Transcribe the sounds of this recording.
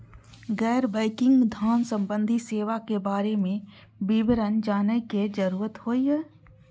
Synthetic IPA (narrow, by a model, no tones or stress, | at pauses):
ɡɛːɾbəɪkɪ̃ŋɡmɪd̪ʱaːnsə̃mbə̃nd̪ʱiseːʋakebaːɾemẽ | bɪbɾənd͡ʒaːnəked͡ʒəɾuːɾət̪hoːiɦɛː